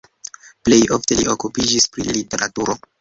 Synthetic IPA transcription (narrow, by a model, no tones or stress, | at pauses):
ple̞jo̞fte̞liʔo̞kupid͡ʒispɾḭlite̞ɾʔatuɾo̞